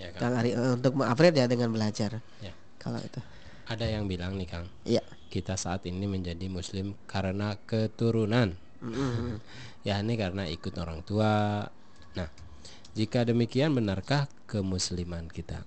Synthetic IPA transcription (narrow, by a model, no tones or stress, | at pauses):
jakakaŋaɾiunt̪ʊk̚məŋapɾɪrd͡ʒadəŋanbəlad͡ʒar | ja | kʰa̰la̰ḭt̪u | ʔadajaŋbilaŋnɪhkaŋ | ja | kit̪asaːt̪iniməɲd͡ʒadimuslɪmkaɾənakət̪uɾunan | m̩ | janikaɾənaikʊt̪oɾaŋt̪ua | nah | d͡ʒikadəmikianbənarkahkəmuslimankit̪a̰